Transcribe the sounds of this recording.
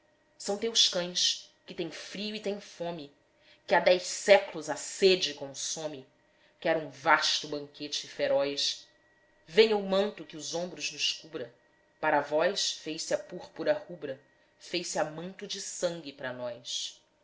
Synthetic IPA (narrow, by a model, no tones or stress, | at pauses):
sɐ̃w̃t̪ewʃkɐ̃j̃s | kɪt̪ẽj̃fɾiʊit̪ẽj̃fõmɪ | kɪad̪ɛjʃsɛklʊzased͡ʒɪkõsõmɪ | kɪɛɾũvaʃt̪ʊbɐ̃ŋket͡ʃɪfeɾɔjs | vẽj̃ɐumɐ̃nt̪ʊkɪʊzõbɾʊznʊʃkubɾɐ | paɾavɔjsfejsɪapuχpuɾɐhubɾɐ | fejsɪamɐ̃nt̪ʊd͡ʒɪsɐ̃ŋɡʲɪpɾɐnɔjs